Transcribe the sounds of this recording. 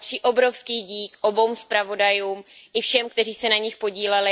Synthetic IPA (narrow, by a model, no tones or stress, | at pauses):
t̪r̥iːʔobɾo̞fskiːɟiːkʔo̞bo̞wmspɾavo̞dajuːmʔɪfʃɛmkt̪ɛriːsɛnaɲɪxpo̞ɟiːlɛlɪ